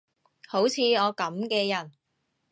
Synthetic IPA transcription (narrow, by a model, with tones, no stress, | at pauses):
ho˨˥wt͡sʰiː˨˧ɔː˨˧kɐ˨˥mkɛː˧jɐ˨˩n